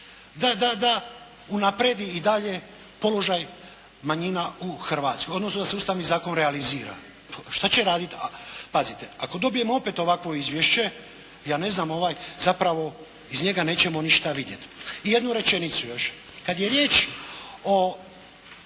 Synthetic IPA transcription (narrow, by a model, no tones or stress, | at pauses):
d̪ad̪ad̪a | unapɾe̞d̪iid̪aʎe̞ | po̞lo̞ʒaj | maɲinauxrʋaːt̪sko̞jo̞d̪nosnod̪aseust̪aʋnizaːko̞nɾealiziːɾa̰ | ʃt̪at͡ɕe̞ɾaːd̪it̪apazit̪e̞ako̞d̪o̞bije̞moo̞pet̪o̞ʋakʋo̞izʋjeʃt͡ɕe̞ | jaːne̞znaːmo̞ʋaːjzapɾaʋo̞ | izɲe̞ɡane̞ːt͡ɕe̞mo̞niʃt̪aʋid̪je̞t̪ije̞d̪nuɾe̞t͡ʃe̞nit̪sujo̞ʃkad̪jeɾje̞ːt͡ʃ | o